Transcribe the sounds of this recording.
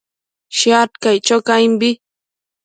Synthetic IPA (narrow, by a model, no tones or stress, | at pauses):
ʃjat̪kajt͡ʃokajmbɪ